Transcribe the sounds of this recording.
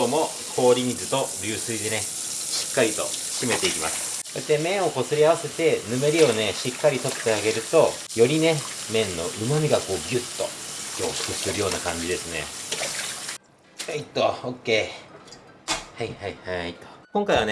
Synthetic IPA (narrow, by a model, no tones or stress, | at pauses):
oːmo̞ | kʰo̞ːɾʲimʲizɨt̪o̞ɾʲɨːsɨid̪e̞ne̞ | ɕi̥kːaɾʲit̪o̞̰ɕime̞t̪e̞ikʲima̰sɨ̥ | soet̪ːemẽ̞ɰ̃o̞ko̞sɨɾʲiaβase̞t̪e̞nɯ̟me̞ɾʲio̞ne̞ɕikːaɾʲit̪o̞t̪ːe̞aɡe̞ɾɯ̟t̪o̞ | jo̞ɾʲine̞ | mẽ̞nːo̞̰ʔɯ̟mamʲiɡako̞ːɡʲɯt̪ːo̞̰jʲo̞ːɕo̥kɯ̟sɨɾɯjo̞ːnakãɲ̟d͡ʑid̪e̞sɨne̞̰ | ait̪ːooːkːe̞ː | haihaihait̪ːokõ̞ŋkaiβane